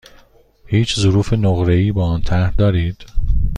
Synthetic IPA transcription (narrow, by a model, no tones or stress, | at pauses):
hiːt͡ʃʰzoɾuːfe̞noɣɾeiːbɒːɒːnt̪ʰæɾhd̪ɒːɾiːd̪̥